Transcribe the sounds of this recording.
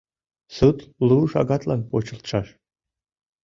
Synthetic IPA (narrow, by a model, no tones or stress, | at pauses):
sɨt̪luʃɑ̰ɡɑt̪lɑnpot͡ɕə̆lt̪ʃɑʃ